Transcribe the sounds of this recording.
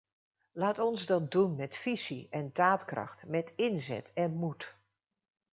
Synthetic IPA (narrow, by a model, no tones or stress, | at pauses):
laːtɔnzdɑt̚dunmɛtfisiʔɛndaːtkrɑ̰xtmɛtʰɪnzɛ̰tɛnmut